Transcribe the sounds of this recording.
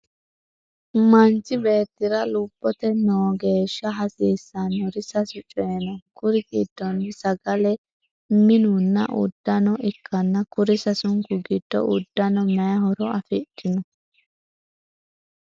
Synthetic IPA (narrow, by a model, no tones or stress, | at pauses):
mɐnt͡ʃɪbe̞ːt̪ːɪɾɐluːpːɔt̪ɛnoːɡe̞ːʃːɐɦɐsiːsːɐnʊɾɪsɐsʊt͡ʃʼɔjɛnɔkʊɾɪɡid̪̥ːɔnːɪsɐɡɐlɛ | mɪnunːɐ̰ʔʊ̰d̪̥ːɐnɔʔɪkʰːɐnːɐkʊɾɪsɐsʊŋkʊɡɪd̪̥ːɔ̰ʔʊ̰d̪̥ːɐnɔmɐjɐhɔɾɔɐfɪtːɪnɔ